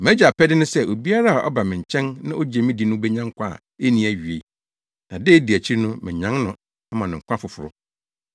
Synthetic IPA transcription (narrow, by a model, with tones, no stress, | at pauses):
m˨æ̃˦d͡ʑa˨pʰɛ˦dɪ˦nʊ̃˦sɛ˦ʔo˨bi˦a˦ɾa˦a˨ʔɔ̰˦ba˨mɪ̃˨ɲ̩˨t͡ɕʰɛ̃˦nnã̰˦ʔo˦d͡ʑe˨mɪ̃˦di˨nʊ̃˦bɛ˦ɲã˦ŋ˦kʷʰã˦˨ | e˦nĩ˨˦æ˨ɥi˨e˨ | nã˨de˦di˨æ˨t͡ɕʰi˦ɾnʊ̃˦mɪ̃˨ɲã˦nʊ̃˦ | a˦mã˨nʊ̃˨ŋ̩˨kʷʰã˦fʊ˨fʊ˨ɾʊ̰˦